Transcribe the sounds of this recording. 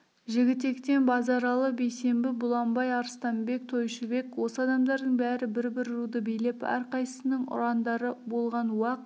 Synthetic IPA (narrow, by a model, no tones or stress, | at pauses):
ʒɪɡʲɪt̪e̞kt̪e̞nbɑzɑɾɑlˠəbejse̞mbɪbʊlˠɑmbɑjɑɾst̪ɑmbe̞k̚t̪ʰo̞jʃɪbe̞kwo̞səɑd̪ɑmd̪ɑɾd̪əɴbæɾɪbɪɾbɪɾɾud̪əbejle̞pæ̰ɾqɑjsəsənəɴʊ̰ɾɑnd̪ɑɾəbo̞lˠʁɑnwɑq̚